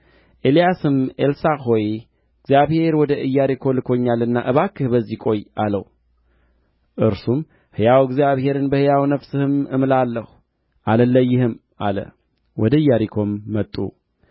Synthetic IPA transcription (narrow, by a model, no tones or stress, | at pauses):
ʔelijasɨme̞lsahoj | ɡzjaβhe̞ɾwɔd̪əɨjːaɾikʰo̞lɨkʰo̞ɲːalɨnːa̰ʔɨβakːɨhbəzːikʼo̞jaləw | ʔɨɾsum | hɨjawɡzijaβhe̞ɾɨnbəhɨjawnəfsɨhɨmɨmlalːəhu | ʔaləlːəjːɪhɨm | a̰lə̰ | wʔɔd̪əɨjːaɾikʰo̞mːət̪ʼːṵ